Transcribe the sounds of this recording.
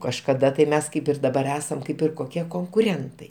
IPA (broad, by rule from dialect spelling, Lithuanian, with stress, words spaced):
kɐʃkɐˈdɐ tɐɪ ˈmʲɛs ˈkɐɪp ɪr dɐˈbɐr ˈæːsɐm ˈkɐɪp ɪr koːˈkʲiɛ koːŋkʊˈrʲɛntɐɪ